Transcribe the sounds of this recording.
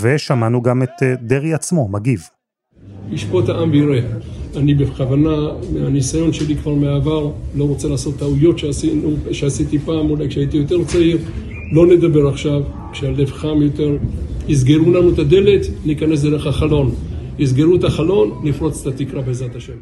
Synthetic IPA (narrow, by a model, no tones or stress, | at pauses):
veʃamanuɡamet̪d̪eʁiat͡smo̞maɡiv | iʃpo̞t̪aʔamveiʁeanibeχavanameanisajo̞nʃe̞likvaʁmeaːvaʁlo̞ʁot͡selaːso̞t̪ːaujo̞tʃeasinuʃeasit̪ipaːmulajkʃeait̪ijo̞t̪e̞ʁt͡saiʁ | lo̞ned̪abe̞ʁaχʃav | kʃealevχamjo̞t̪e̞ʁiz̬ɡe̞ʁulanut̪ad̪e̞le̞t̪nikane̞s̬d̪eʁeχaχalo̞n | iz̬ɡe̞ʁut̪aχalo̞nːifʁo̞t͡se̥t̪at̪ikʁabeezat̪aʃem